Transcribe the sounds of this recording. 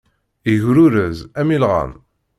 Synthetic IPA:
iʝɾuɾəzæmilʁæ̰n

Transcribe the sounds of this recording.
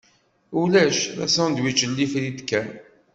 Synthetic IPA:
ulæʃðæ̰sænd̪wit͡ʃːəlːifɾid̪kːæn

